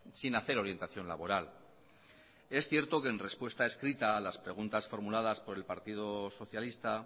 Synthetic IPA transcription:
sinaθe̞ɾo̞ɾje̞nt̪aθjo̞nla̰βo̞ɾal | e̞sθje̞ɾt̪o̞ke̞ːnre̞spwe̞st̪ae̞skɾit̪aːlaspɾe̞ɣ̞unt̪asfo̞ɾmulað̞aspo̞ɾe̞lpaɾt̪ið̞o̞so̞θjalist̪a

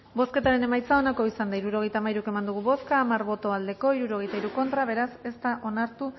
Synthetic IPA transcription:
bo̞ske̞t̪aɾe̞ne̞majt͡sao̞nako̞isand̪aiɾuɾo̞ɣ̞e̞jt̪amaiɾuke̞mand̪uɣ̞uβo̞skaːmaɾβo̞t̪o̞ald̪e̞ko̞iɾuɾo̞ɣejt̪aiɾuko̞nt̪ɾaβ̞e̞ɾase̞st̪aʔo̞naɾt̪u

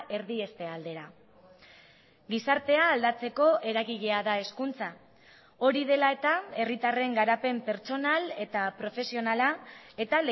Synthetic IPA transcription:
e̞ɾðie̞st̪e̞ald̪e̞ɾa | ɡisaɾt̪e̞aːld̪at͡se̞ko̞ʔe̞ɾaɣiʎe̞aðae̞skunt͡sa | o̞ɾiðe̞lae̞t̪ae̞rit̪are̞ŋɡaɾape̞mpe̞ɾt͡so̞nale̞t̪apɾo̞fe̞sio̞nalae̞t̪ale

